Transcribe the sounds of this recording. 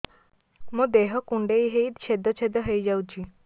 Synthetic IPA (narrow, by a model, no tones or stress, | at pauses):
mũd̪eɦɔkuɳɖejɦejd̪t͡ʃʰed̪ɔt͡ʃʰed̪ɔɦəjd͡ʒawt͡ʃʰi